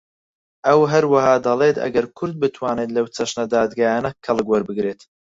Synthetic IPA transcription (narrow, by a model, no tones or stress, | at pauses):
ʔɐwɦɐɾwɐhaːd̪ɐlˠeːt̪ɐ̰ɡɐɾkʰʊɾd̪̚bɨt̪ʰwaːneːt̪lɐwt͡sʰɐʃnɐd̪aːd̪ɡaːjaːnɐkʰɐlˠɨkwɐɾbɨɡɾeːt̪